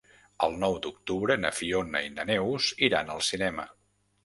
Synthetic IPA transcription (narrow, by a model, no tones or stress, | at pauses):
əlˠnɔwd̪uk̚t̪uβɾənəfionəinənɛwziɾanəlˠsinɛmə